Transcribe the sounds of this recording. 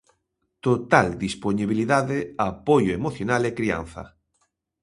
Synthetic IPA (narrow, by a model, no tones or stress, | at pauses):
t̪ot̪ald̪isponiβ̞iliðaðeapojoemoθjonalekɾia̰n̟θa̰